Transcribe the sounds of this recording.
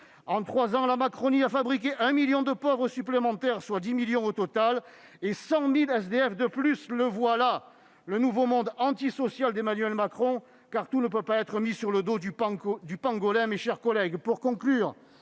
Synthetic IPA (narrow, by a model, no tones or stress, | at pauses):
ɑ̃t̪χwazɑ̃lamakχɔniafabʁik̬ʲeʔɛ̃miljɔ̃d̪əpɔvʁəsyplemɑ̃t̪ɛʁswad̪imiljɔ̃ot̪ɔt̪al | esɑ̃milɛs̬d̪eɛfd̪əplysləvwala | lənuvomɔ̃d̪ɑ̃t̪isɔsjald̪emanɥɛlmakχɔ̃ | kaʁt̪unəpøpaɛt̪χəmisyʁləd̪od̪ypd̪ypɑ̃ɡɔlɛ̃meʃɛʁkɔlɛɡpuʁkɔ̃klyːʁ